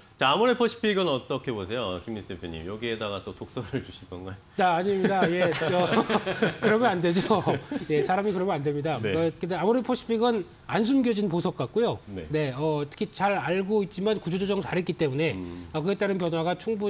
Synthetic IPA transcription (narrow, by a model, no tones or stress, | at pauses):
t͡ɕaːmuɾepʰʌɕ͈ʰi̥pʰiɡɯnʌt͈ʌkʰe̞bos̬ʰe̞joa̰kimnisʰtʰepʰeɲḭmjʌɡiedaɡat͈otok̚s͈ʌɾɯɭt͡ɕuɕʰik͈ʌnɡaj | aːɲimɲidaje̞ʌ | kɯɾʌmjʌnande̞d͡ʑoje̞sʰaɾamikɯɾʌmjʌnandwe̞mɲidakdamuɾepʰoɕ͈ʰi̥pʰiɡɯn | ans̬ʰumɡjʌd͡ʑinposʰʌk̚k͈at̚k͈ojoene̞ʌtʰɯ̥kʰit͡ɕaɾaɭɡoit̚t͡ɕ͈imankud͡ʑʰod͡ʑod͡ʑʌŋt͡ɕaɾɦe̞t̚k͈it͈e̞mune̞ʌkɯɡet͈aɾɯnp̬jʌnwaɡat͡ɕʰuŋbu